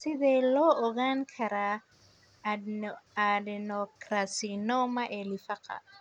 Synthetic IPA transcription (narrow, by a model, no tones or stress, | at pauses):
sɪðɛːlɔːɔɣaːŋkʰɐɾa | adɛnɔkɾasinɔmɐʔɛlifɐqɐ̰